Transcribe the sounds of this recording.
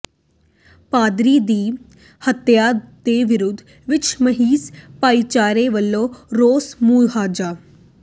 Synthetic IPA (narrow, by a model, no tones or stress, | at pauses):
paːd̪ɾiːd̪iː | hət̪jaːd̪eʋɪɾʊd̪ʱ | ʋɪt͡ʃʰməɦiːspaːit͡ʃaːɾeʋəlːoːɾoːsmuːɦaːd͡ʒaː